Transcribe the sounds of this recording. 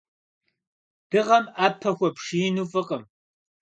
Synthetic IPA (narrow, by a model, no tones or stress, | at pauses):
d̥ɨʁɐmaːpʰɐxʷɔpʂinufʼɨqʼəm